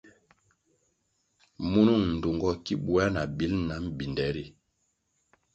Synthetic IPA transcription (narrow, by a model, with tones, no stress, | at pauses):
mu˦nu˦˨ŋn̩˨du˨ŋɡɔ˦ki˦ɓu˦a˦na˨bi˦lna˨˦m̩˦bi˨ndɛ˨˦ɾi˦